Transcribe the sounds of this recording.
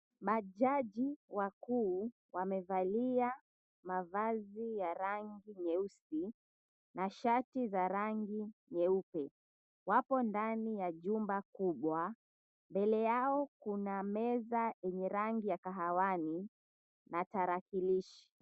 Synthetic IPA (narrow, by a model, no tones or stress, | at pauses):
ɓaʄaʄiwakuː | wamɛvalia | mavazijaɾaŋɡiɲɛusi | naʃatizaɾaŋɡiɲɛupɛ | wapɔndanijaʄumbakuɓwa | mbɛlɛjaɔkunamɛzajɛɲɛɾaŋɡijakaɦawani | nataɾakiliʃi̥